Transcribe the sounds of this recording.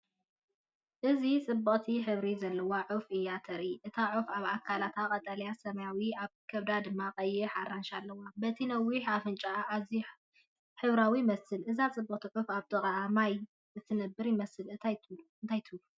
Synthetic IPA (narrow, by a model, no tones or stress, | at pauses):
ʔɨzit͡sʼɨbːɐqʼt̪ʰiħɨβɾizɐlːɐwaʕʊfɨjat̪ʰɐɾiʔɨt̪ʰaʕufaβakʰːalat̪ʰakʼɐt̪ʼɐljasɐmɐjawiaβkʰɐβd̪ad̪ɨmːaqʼɐjːɪħaɾanʃalːɐwabɐt̪ʰinɐwiħafɨnt͡ʃʼaːzi | ħɨβɾawimɐsɨlʔɨzat͡sʼɨbːɐqʼt̪ʰiʕufaβt̪ʰɨχʼʕamaj | ɨt̪ʰɨnɐbːɨɾjɪmɐsɨlɨnt̪ʰajt̪ʰɨlu